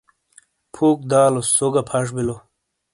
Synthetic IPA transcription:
pʰuːk̚d̪aːlosoɡapʰaʂ̬bilo

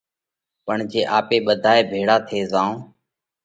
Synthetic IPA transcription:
pəɳd͡ʒeːʔaːpeːɓəd̪ʱaːeːbʱeːɽaːt̪ʰeːzãːõː

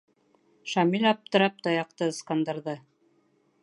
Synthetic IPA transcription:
ʃɑmilʲɑp̚t̪ɤ̆ɾɑp̚t̪ɑjɑq̚t̪ɤskɑnd̪ɑ̆ɾðɤ

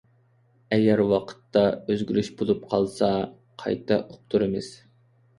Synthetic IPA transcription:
ɛɡʲæɾwɑqʰə̥t̪ːɑøzɡʲylyʃbolˠupqʰɑlˠsɑ | qʰɑ̰jt̪ʰɑ̰ʔop̚t̪ʰuɾɨmɨz̥

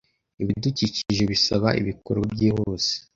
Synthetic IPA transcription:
iβiduciciʒe̞βisaβaʔḭβikoɾobɟiːhoːse̥

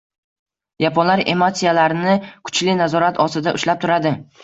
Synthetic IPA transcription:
japʰɒnlaɾe̞̰mot̪sijalaɾɪnɪkʰʊ̥t͡ʃlɪnazɒɾat̪ʰɒsɪd̪aʔʊʃlap̚t̪ʰʊɾad̪ɪ

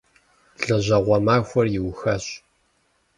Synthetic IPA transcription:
ɮɐʑɐʁʷɔmaːxʷɔrjɪwxɐɕ

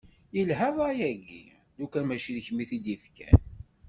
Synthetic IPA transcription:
jəlɦæðˤæjæɡḭ | d̪ukæmæʃiðçmiθid̪ifkæ̰n

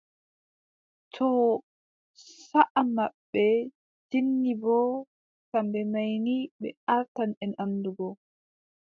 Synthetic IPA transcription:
tʰɔ | saʔamaɓːɛ | d͡ʒinːibɔ | kambɛmajniɓɛ̰aɾtanɛnamduɡɔ

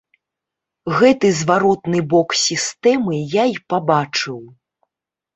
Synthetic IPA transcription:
ɣɛt̪ɨzvaɾɔt̪nɨbɔksʲist̪ɛmɨjaipabat͡ʂɨw

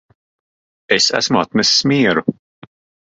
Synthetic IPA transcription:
esæ̰smʊat̪mɛsːmiːɛɾu

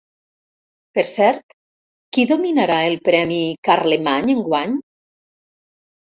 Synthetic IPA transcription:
peɾsɛɾt̪ | kiðominaɾaelˠpɾɛmikaɾlemaɲeŋɡwaɲ

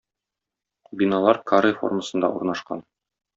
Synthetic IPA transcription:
bʲinɑlˠɑɾkʰaɾəjfo̰rməsɤ̆nd̪ɑ̰uɾnɑʃqɑ̰n

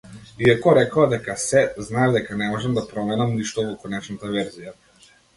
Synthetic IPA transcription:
iakɔɾɛkad̪ɛkasɛznaɛd̪ɛkanɛmɔʒɛmd̪apɾɔmɛnamniʃt̪ɔvɔkɔnɛt͡ʃnat̪avɛɾzija

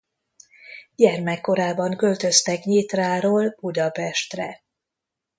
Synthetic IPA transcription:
ɟɛrmɛkːo̞ɾaːbɒŋkø̞lt̪ø̞st̪ɛkɲit̪raːɾoːlb̥ud̪ɒpɛʃt̪rɛ̰

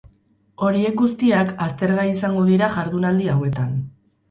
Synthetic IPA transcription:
o̞ɾie̞k̚ɡust̪iakast̪e̞ɾɣaisaŋɡo̞ðiɾaʝaɾðunald̪iawe̞t̪an

